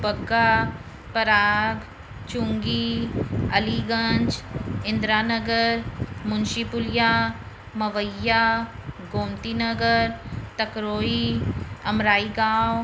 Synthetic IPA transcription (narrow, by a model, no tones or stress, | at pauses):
bɐɡːa | pɐɾaːb | t͡ʃũŋɡi | ɐ̰liɡɐ̃ɲt͡ʃɪ̃nd̪ɾaːnɐɡəɾmʊnʃipʊljaː | mɐʋəjːaːɡoːmt̪iːnɐɡəɾt̪ɐkɾoːiɐmɾaːiɡãːw